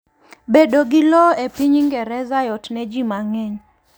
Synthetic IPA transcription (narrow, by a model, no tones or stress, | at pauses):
bedoɡilɔepiɲiŋɡɛɾɛzajɔtnɛd͡ʒimaŋɛɲ